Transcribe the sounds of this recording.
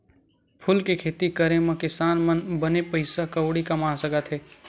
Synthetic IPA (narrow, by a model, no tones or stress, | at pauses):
pʰʊlkekʰeːt̪ikɐɾẽmɐ̃kɪsaːnmənbɐnepɐɪsakɐwɽikɐmaːsɐɡət̪ɦeː